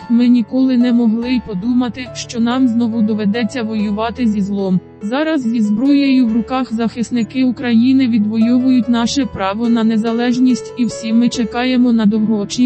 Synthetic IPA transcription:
mɪnʲikɔlˠɪnɛmɔɦlˠɪpɔd̪umɐt̪ɪʃt͡ʃɔnɑmznɔʋʊd̪ɔʋed̪ɛt͡sʲːɐʋɔjʊʋɑt̪ɪzʲizlˠɔm | zɑɾɐzzʲizbɾɔjɐjʊwɾʊkɑxzɐxɪsnɪkɪukɾɐjinɪʋʲid̪ʋɔjɔʋʊjʊtʲnɑʃɛpɾɑʋɔnɐne̞zɐlˠɛʒnʲisʲtʲiwsʲimɪt͡ʃekɑjemɔnɐd̪ɔwɦɔt͡ʃʲi

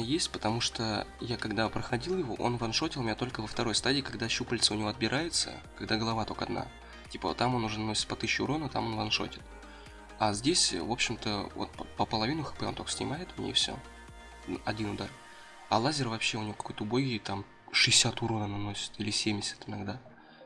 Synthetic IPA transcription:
jesʲtʲpət̪ɐmuʂt̪ojakɐɡd̪apɾəxɐdʲilˠjɪvo̰ʔo̞̰nvɐnʂo̞tʲɪlˠmʲɪnʲat̪o̞lʲkəvəft̪ɐɾo̞jst̪adʲiːkɐɡ̚d̪aɕupəlʲt̪səʊnʲɪvoɐd̪̚bʲɪɾʔajɪt̪sə̰kɐɡd̪aɡəlˠɐvat̪o̞kəɐd̪nʔa̰ | tʲipə̰t̪amo̞nʊʐɛnɐnosʲpɐt̪ɨɕːʊʊɾo̞nət̪a̰mo̞nvɐnʂo̞̰tʲɪ̥t̪ | azʲdʲesʲvo̞pɕɪmt̪əvo̰t̪̚pəpəpəlˠɐvʲinʊxɨ̥pɛo̞nt̪okə̥sʲnʲɪ̰majɪt̪ʊnʲḛjfsʲo̰ | ɐ̰dʲinʊd̪ar | a̰lˠazʲɪrvɐpɕːe̞ʊnʲɪvokɐ̥ko̞jt̪əʊbojɡʲɪt̪am | ʂɨɪsʲat̪ʊɾo̞nənɐno̞sʲɪ̥t̪ilʲɪsʲemʲdʲɪsʲɪ̥t̪ɪnɐɡd̪a

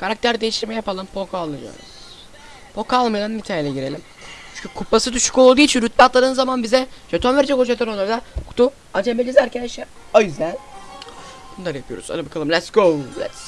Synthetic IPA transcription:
kʰaɾak̚t̪ʰæɾd̪ejiʃt̪iɾmɛjapalˠɯmpʰokʰalˠːɯd͡ʒa̰nɯ̰ | pʰokalˠmajd̪anmit̪ʰailʲɛɟiɾelʲim | t͡ʃt͡ʃʰyɲcʰykʰupːasɯd̪yʃy̥ko̞lˠd̪uːit͡ʃʰinɾyt̪̚bat̪lˠaɾɯnɯzamanbizɛd͡ʒat̪ʰonvɛɾd͡ʒɛkoʃat̪ʰaɾoːaɾd̪akʰu̥t̪ʰu | ant͡ʃʰɛmbelʲizæɾcʰed̪ɛʃɛ | ajyzæn | bunˠaɾɯjapʰɯjoɾṵza̰ɾɯbakʰalˠɯmlʲɛsɡozɛ̰t̪s

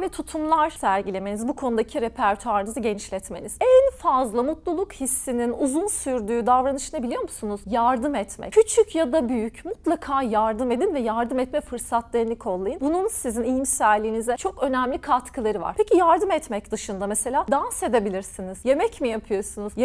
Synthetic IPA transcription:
vɛt̪ʰut̪ʰumlˠaɾsæɾɟilʲeme̞nizbukʰo̞nud̪acʰiɾepʰæɾt̪ʰuaɾɯnɯzaɟɛnt͡ʃlʲɛt̪meniz̥ɛnfazlˠamut̪lˠulˠukhisːininuzunsyɾd̪yːd̪avɾanɯʃɯnabilʲijo̞ɾmusunuz̥jaɾd̪ɯmɛt̪mɛ̰cʰyt͡ʃʰycjad̪abyjycmut̪lˠakʰaːjaɾd̪ɯme̞d̪invɛjaɾd̪ɯmɛt̪mɛfɯɾsat̪lˠeinlːʲicʰo̞lˠːajɯnbununsizinijimsæɾlʲːiːnizɛt͡ʃʰo̞kø̞næmlʲikʰat̪kʰɯlˠaɾɯva̰ɾ̥pʰecʰijaɾd̪ɯmɛt̪mɛcd̪ɯʃɯnd̪amese̞lʲaːd̪anse̞d̪ebilʲiɾsiniz̥je̞mɛcmijapʰɯjo̞sunuzj

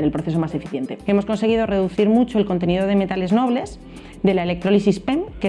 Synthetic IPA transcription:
eɾelpɾoθe̞so̞mase̞fiθje̞nt̪e̞emo̞sko̞nse̞ɣ̞iðo̞re̞ðuθiɾmut͡ʃo̞e̞lko̞nt̪̬e̞niðo̞ðe̞me̞t̪ale̞zno̞β̞le̞z | d̪e̞laele̞k̚t̪ɾo̞lisispemke

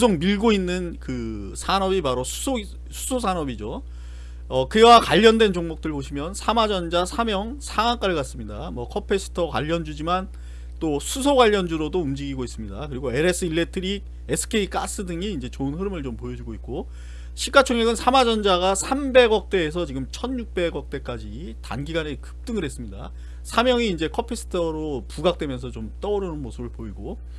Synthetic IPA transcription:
ɯs̬ʰoŋmiɭɡoinːɯnkɯ | sʰanʌbipaɾosʰu̥sʰo | sʰu̥sʰosʰanʌbid͡ʑo | ʌkɯjwakwaʎːʌndwe̞nt͡ɕoŋmok̚t͈ɯɾɭboɕʰimjʌnsʰamad͡ʑʌnd͡ʑasʰamjʌŋsʰaŋaŋk͈aɯɭɡas͈ɯmɲidamwʌkʰʌpʰe̞sʰɯ̥tʰʌkwa̰ʎːʌnd͡ʑud͡ʑiman | t͈osʰusʰoɡwaʎːʌnd͡ʑuɾodoumd͡ʑiɡiɡois͈ɯmɲidakɯɾiɡoe̞ɾes͈ʰɯiɭːe̞tʰɯɾi | esʰɯ̥kʰe̞ik͈as͈ɯdɯŋiːnd͡ʑe̞t͡ɕoɯnɸɯɾɯmɯɭt͡ɕompojʌd͡ʑuɡoit̚k͈o | ɕʰik͈at͡ɕʰoŋjʌɡɯnsʰamad͡ʑʌnd͡ʑaɡasʰambe̞ɡʌk̚t͈e̞ːs̬ʰʌt͡ɕiɡɯmt͡ɕʰʌnɲuk̚p͈e̞ɡʌk̚t͈e̞k͈ad͡ʑi | ta̰nɡiɡanekɯ̥p̚t͈ɯŋɯɾɦe̞s͈ɯmɲida̰ | sʰamjʌŋiːnd͡ʑe̞kʰʌpʰesʰɯ̥tʰʌɾopuɡak̚t͈we̞mjʌnsʰʌt͡ɕomt͈ʌuɾɯnɯnmosʰɯbɯɭpoiɡo

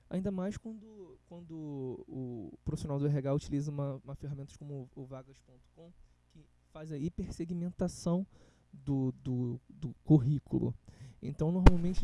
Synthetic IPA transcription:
a̰ĩnd̪ɐmajskwɐ̃nd̪ʊkwɐ̃nd̪ʊː | pɾofisionawd̪ʊɛɦaɡaut͡ʃilizɐũmɐũmɐfeɦamẽnt̪ɐʃkõmʊːvaɡɐʃpõnt̪ʊ̥kõw̃ | kɪ | fazɐipeɾseɡimẽnt̪asɐ̃w̃ | d̪ʊd̪ʊd̪ʊkuɦikṵlʔʊ̰ḛ̃nt̪ɐ̃w̃noɾmawmẽnt͡ʃɪ

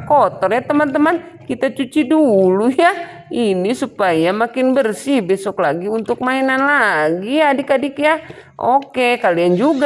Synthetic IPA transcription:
kɔt̪ɔrɲat̪əmant̪əmankit̪at͡ʃut͡ʃiduluja | inisupajamakɪnbərsihbɛsɔklaɡiunt̪ʊk̚mainanlaɡiadikadikja | ʔokekaliand͡ʒuɡ

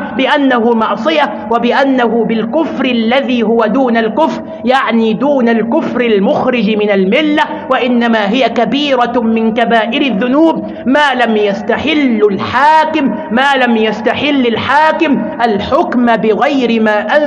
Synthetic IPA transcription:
bɪʔanːahʊmɑʕsˤɨja | wabɪʔanːaɦʊbɪlkʊfɾɪlːaðiːɦʊwad̪uːnalkʊfɾ | jaʕniːd̪uːnalkʊfɾɪlmʊxɾɪd͡ʒmɪnalmɪlːa | waʔɪnːamaːɦɪjakabiːɾˤamɪnkabaːʔɪɾaðːʊnuːb̚ | maːlamjast̪aħɪlːalħaːkɪmːaːlamjast̪aħɪlːalħaːkɪmʔalħʊkmbɪɣajɾɪmaːʔa

